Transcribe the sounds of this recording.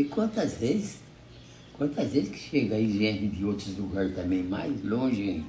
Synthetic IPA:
ikwɐ̃nt̪ɐzvezis | kwɐ̃nt̪ɐzveziski̥ʃeɡɐaiʒẽpud̪iot̪ɾuzluɡaɾst̪ɐ̃mẽj̃majzlõʒɛ̃

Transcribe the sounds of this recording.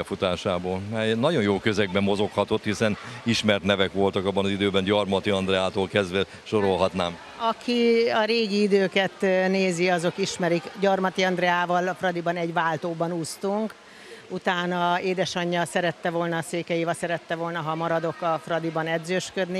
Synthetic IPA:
ɛfut̪aːʃaːboːlmɛjnɒɟo̞njoːkøzɛɡ̚bɛmːo̞zo̞khɒt̪o̞t̪hisɛniʃmɛrt̪nɛvɛkʋo̞lt̪ɒkɒbːɒnɒzid̪øːbɛnɟɒrmɒt̪iɒnd̪ɾɛaːt̪oːlkɛzd̪ʋɛ | ʃoɾo̞lɦɒt̪naːm | ɒkʰiɒɾeːɡiid̪øːkɛt̪neːziɒzo̞kiʃmɛɾikɟɒrmɒt̪iɒnd̪rɛaːvɒlɒfrɒd̪ibɒnɛɟʋaːlt̪oːbɒnuːst̪uŋk | ut̪aːnɒeːd̪ɛʃɒɲːɒsɛɾɛt̪ːɛvolnɒseːkɛjivɒsɛɾɛt̪ːɛvo̞lnɒɦɒmɒɾɒd̪o̞kɒfrɒd̪ibɒnɛd̪zøːʃkød̪ni

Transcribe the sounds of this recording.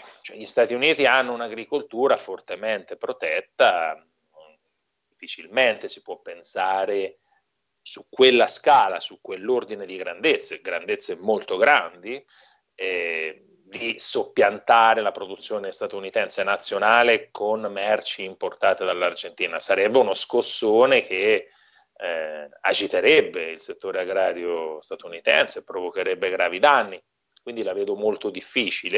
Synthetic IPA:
t͡ʃoɛ̰ʎist̪aːt̪iuniːt̪ianːounaɡɾikolt̪uːɾafort̪ement̪epɾot̪ɛt̪ːa | d̪ifːit͡ʃilment̪esi̥pwɔpːensaːɾe | sukːwelːaskaːlasukːwelːord̪ined̪iɡɾand̪et̪sːeɡɾand̪et̪sːemːolt̪oɡɾand̪i | ɛ | d̪isopːjant̪aːɾelapɾod̪ut̪sːjoːnest̪at̪unit̪ɛnsenat̪sːjonaːlekʰonmɛrt͡ʃiːmport̪aːt̪ed̪alːard͡ʒent̪iːnasaɾɛbːeunoskosːoːnek̟ʰe | a̰d͡ʒit̪eɾɛbːeilset̪ːoːɾeaɡɾaːɾjost̪at̪unit̪ɛ̰nsepɾovokeɾɛbːeɡɾaːvid̪anːi | kwind̪ilavɛːd̪omolt̪od̪ifːiːt͡ʃile

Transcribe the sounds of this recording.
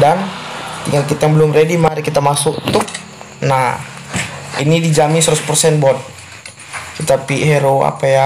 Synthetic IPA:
dant̪iŋɡalkit̪ajaŋbəlumredimaɾikit̪amasukt̪ʊh | na | ḭnidid͡ʒamɪnsɾuspərsɛnbɔn | kit̪apiʔɦɛɾoa̰paja

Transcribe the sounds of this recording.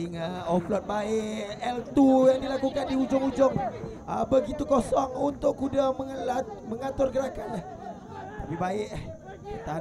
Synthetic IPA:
iŋaɔplɔt̪̚baɪʔɛlt̪ujaŋdilakukandiud͡ʒʊŋud͡ʒʊŋ | əbəɡit̪ukɔsɔŋunt̪ʊkːudaməŋəlat̪̚məŋat̪ʊrɡəɾakanlah | t̪apibaɪʔh | kət̪a

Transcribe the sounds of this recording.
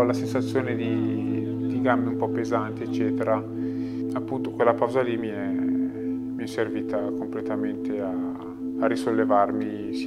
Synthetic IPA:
lasensat̪sːjoːned̪i | d̪iɡamːeumpɔpːezant̪iet͡ʃːɛːt̪eɾa | apːunt̪okwelːapawzalimiɛ | miɛsːerviːt̪akomplet̪ament̪eaː | risolːevarmi | s

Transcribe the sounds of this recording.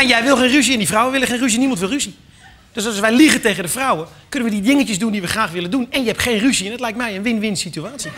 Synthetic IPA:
ɛnjɛjʋɪlˠxenrys̬iɛndifrɔwəʋɪlˠəχxenrys̬iənimɔntʋɪlˠrysi | d̥øsɔsʋɛjliɣətejɣəndəfrɔwə | kønənʋədidɪŋətjəsdundiʋəxraːxʋɪləndunɛnjəɛpxeːnrysiɛndɔtlɛjk̚tmɛjənʋɪnʋɪnsityaːtsi

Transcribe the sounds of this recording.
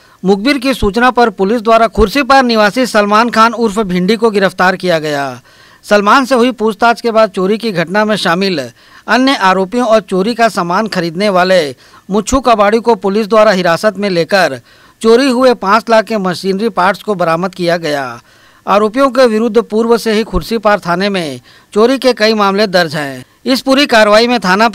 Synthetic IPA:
mʊɡ̚bɪɾk̬isuːt͡ʃnapɐɾpʊlɪs̬d̪waːɾakʰʊɾsip̬aɾnɪʋaːsisɐlmaːnkʰaːnʊɾfbʱɪ̃ɳɖikoɡɪɾəft̪aːɾkijaɡɐja̰ː | sɐlmaːnseɦʊipuːst̪aːt͡ʃkebaːd̪̚t͡ʃoːɾikiɡʱɐʈnamẽʃaːmɪl | ɐnjəʔaːɾoːpijõɔːɾt͡ʃoːɾikasamaːnxɐɾiːd̪neʋaːle | mʊt͡ʃʰukabaːɽikopʊlɪs̬d̪waːɾaɦɪɾaːsət̪mẽleːkəɾ | t͡ʃoːɾiɦʊepãːt͡ʃlaːkːemɐʃiːnɾipaːɾʈskobɐɾaːməd̪kijaɡɐja̰ː | aːɾoːp̬ijõk̬eʋɪɾʊd̪ʱːpuːɾʋəseɦikʰʊɾsipaːɾt̪ʰaːnemẽ | t͡ʃoːɾikekɐimaːmlẽd̪ɐɾd͡ʒɦɛ̃ː | ɪspuːɾikaːɾʋaːimẽt̪ʰaːna

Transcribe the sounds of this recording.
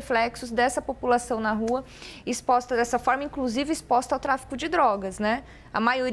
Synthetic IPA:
eflɛksʊzd̪ɛsɐpopulasɐ̃w̃nɐɦuɐ | ɪspɔst̪ɐd̪ɛsɐfɔɾmɐĩŋkluzivɪɪspɔst̪ɐawt̪ɾafi̥kʊd͡ʒɪd̪ɾɔɡɐsnɛ | ɐ̰majoɾ

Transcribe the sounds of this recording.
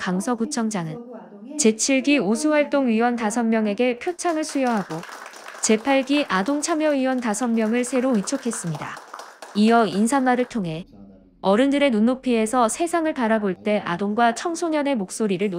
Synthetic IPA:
kaŋsʰʌkut͡ɕʰʌŋd͡ʑaŋɯn | t͡ɕe̞t͡ɕʰiɭɡiosʰuwaɭt͈oŋɥiwʌntasʰʌnmjʌŋe̞ɡe̞pʰjot͡ɕʰaŋɯɭsʰujʌɦaɡo | t͡ɕe̞pʰaɭɡiʔadoŋt͡ɕʰamjʌɥiwʌntasʰʌnmjʌŋɯɭsʰe̞ɾoit͡ɕʰokʰe̞s͈ɯmɲida̰ijʌinsʰanwaɾɯɭtʰoŋɦe̞ | ʌɾɯndɯɾe̞nunːopʰie̞sʰʌsʰe̞sʰaŋɯɭpaɾaboɭt͈e̞ʔadoŋɡwat͡ɕʰʌŋsʰoɲʌne̞mok̚s͈oɾiɾɯɭn

